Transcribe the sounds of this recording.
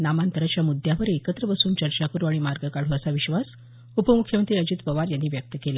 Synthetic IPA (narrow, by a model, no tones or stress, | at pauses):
namant̪əɾat͡ɕjamud̪ʱjaʋəɾekət̪ɾəbəsuːnt͡ɕəɾt͡ɕakuɾuaɽimaɾɡəkaɽ̤uəsaʋiɕʋas | upəmukʰjəmənt̪ɾiːəd͡ʑiːt̪pəʋaɾjanːiːʋjək̚t̪əkela